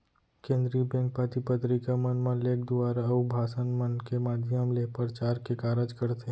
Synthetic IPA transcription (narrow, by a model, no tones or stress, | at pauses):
kẽːnd̪ɾibɛ̃ːŋk̚pat̪ipət̪ɾikamənmãleːkd̪ʊaːɾaubʱaːsənmənkemaːd̪ʱjəmlepəɾt͡ʃaːɾkekaːɾəd͡ʒkəɾt̪e